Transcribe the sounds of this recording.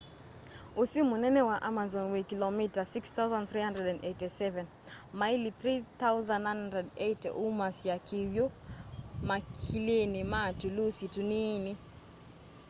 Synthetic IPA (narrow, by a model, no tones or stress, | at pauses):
usimunɛnɛwaʔamazɔnwikilɔmitasikst̪awzãnθɾihandɛdɛ̃ndɛtisɛvɛn | mailiθɾiθauzãnnːãjnhandɛdɛjtɛ̰ʔumasiakʰiwju | makʰilinimatulusitunini